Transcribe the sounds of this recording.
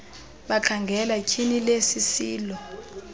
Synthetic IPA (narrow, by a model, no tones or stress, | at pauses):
ɓaǃʰaŋɡʱɛlakʰinilesisiːlɔ